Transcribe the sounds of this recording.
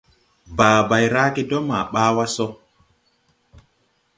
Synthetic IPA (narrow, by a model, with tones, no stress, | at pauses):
baː˨ba˨jɾaː˦ke˦dɔ˦ma˨ɓaː˦wa˦sɔ˦